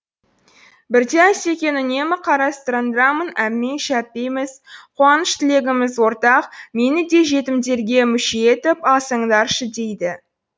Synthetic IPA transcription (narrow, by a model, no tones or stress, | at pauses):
bɪɾd̪eæse̞kʲe̞nʏne̞mɪqʰɑɾɑst̪əɾənd̪əɾɑmənæmːe̞nʃæp̚t̪e̞jmɪz̥qʰoɑnəʃt̪ʰɪle̞ɡʲɪmɪzwo̞ɾt̪ɑqme̞nɪd̪e̞ʒe̞t̪ɪmd̪e̞ɾɡʲe̞mʏʃeet̪ɪpɑsəɴd̪ɑɾʃəd̪e̞jd̪ɪ